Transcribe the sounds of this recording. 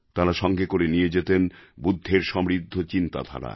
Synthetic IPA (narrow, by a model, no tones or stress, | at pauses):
t̪aɾaʃɔŋɡekoɾenijed͡ʑet̪enbud̪ʱːeɾʃɔmɾid̪ʱːot͡ɕint̪a̰d̪ʱa̰ɾa̰